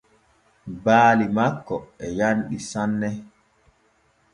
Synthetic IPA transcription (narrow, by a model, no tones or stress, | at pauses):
baːlimakːɔɛjanɗisanːɛ